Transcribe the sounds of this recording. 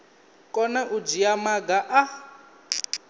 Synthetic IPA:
kʼɔnɛʔud͡ʒiamaɡaʔa

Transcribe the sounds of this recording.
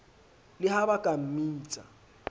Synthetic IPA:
lɪhaβakʼam̩miːt͡sʼa

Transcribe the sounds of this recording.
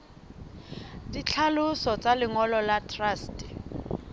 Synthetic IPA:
dit͡ɬʰalʊsɔt͡salɪŋɔlɔlatʰraːstɛ̥

